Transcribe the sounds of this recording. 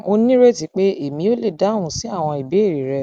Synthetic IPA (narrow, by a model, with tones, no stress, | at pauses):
o˧nĩ˦ɾe˦ti˨˦k͡pe˦e˦˨mĩ˨˧˦o˦le˦˨da˨˦ũ˧˦˨si˨˦a˦˨w̃ɔ̃˧i˨be˨˦˨ɾi˨ɾɛ˧